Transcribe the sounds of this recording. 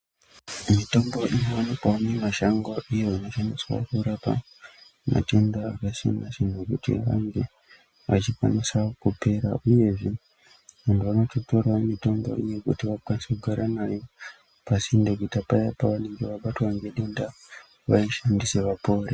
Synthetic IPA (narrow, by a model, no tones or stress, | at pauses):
mito̞mbo̞ʔinoanopoanemaʃaŋɡo̞ʔije̞ano̞ʃaniswa̰kuɾapa̰ | ma̰tendaakasḛnat͡ʃinukutḭʋa̰ŋɡe̞ | ʋat͡ʃikwanisaokupe̞ɾa̰ʔuje̞ʐi | ʋantʰuʋano̞toto̞rwamito̞mbo̞̰ije̞kṵtiʋakanisekuɡʱaɾanajo | pasindok̬uitapajapaʋane̞ŋɡe̞ʋaɓatwaŋɡeɗenda | ʋa̰iʃandise̞ʋapo̞ːre